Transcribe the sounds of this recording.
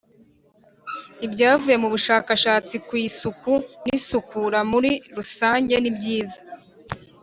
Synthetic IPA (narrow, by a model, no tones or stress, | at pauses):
ibɟaːvuje̞muβuʃaːkaʃaːt͡sikwiːsukunisukuɾamuɾiɾusaːɲɟe̞nibɟiːzḁ